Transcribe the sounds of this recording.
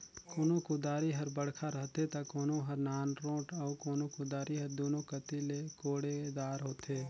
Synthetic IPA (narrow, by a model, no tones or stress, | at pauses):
koːnokʊd̪aːɾiɦəɾbəɽkʰaɾəɦt̪et̪ɐkoːnõɦəɾnaːnɾõːʈɐːkoːnokʊd̪aːɾiɦəɾd̪oːnokət̪ilekoːɽed̪aːɾɦoːt̪eː